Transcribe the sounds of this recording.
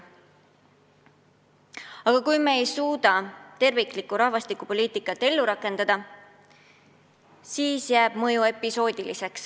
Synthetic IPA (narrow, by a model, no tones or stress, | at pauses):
ɑɡ̥ɑkujmeejsuːd̪̥ɑt̪e̞rviklikːuɾɑhvɑst̪ikːˑupo̞lʲiːt̪ˑikːˑɑt̪ːˑe̞lːuɾɑkːˑe̞nd̪̥ɑd̪̥ɑ | siːsjæːb̥mɤjue̞pːˑiso̞ːd̪̥ʲilise̞ks